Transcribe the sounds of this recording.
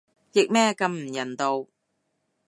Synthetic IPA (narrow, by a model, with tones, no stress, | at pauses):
jɪ˨k̚mɛː˥kɐ˧mm̩˨˩jɐ˨˩nt̪o˨˧w